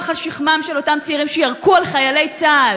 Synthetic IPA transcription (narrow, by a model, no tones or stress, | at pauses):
χaʃiχmamʃelo̞tamt͡siiʁimʃejaʁkualχajale̞jt͡saːl